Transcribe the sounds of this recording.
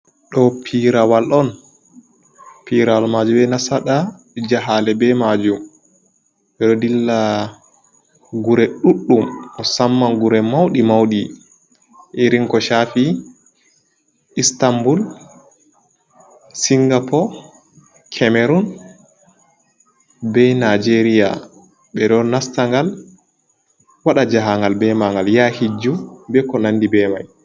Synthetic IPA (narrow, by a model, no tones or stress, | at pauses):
ɗɔpʰiɾawalʔɔn | piɾawalmad͡ʒumbɛnasaɗa | d͡ʒaɦalɛbɛmad͡ʒum | ɛɗɔdilːa | ɡuɾɛɗuɗːumɔsamːanɡuɾɛmawɗimawɗi | ʔiɾiŋkɔʃafi | istambul | siŋɡapʰɔ | kʰɛmɛɾun | bɛnad͡ʒeɾija̰ | ɓɛɗɔnastaŋɡal | waɗad͡ʒaɦaŋɡalbɛmaŋɡaljahid͡ʒubɛkɔnanːdibɛma̰j